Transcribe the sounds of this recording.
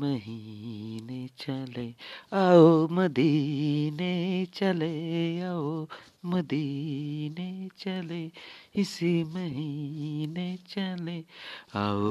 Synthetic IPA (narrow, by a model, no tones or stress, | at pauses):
məɦinet͡ʃaleaomɐd̪ʱinet͡ʃɐleao | mɐd̪ʱinet͡ʃɐleisimɐɦinet͡ʃaleao